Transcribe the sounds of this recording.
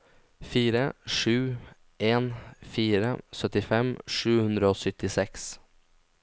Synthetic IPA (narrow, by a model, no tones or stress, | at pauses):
fiːɾəʂʉː | ʔeːnfiːɾə̰sœt̪ɪfɛmʂʉːhʉnd̪ɾəoːsʏt̪ːɪsɛks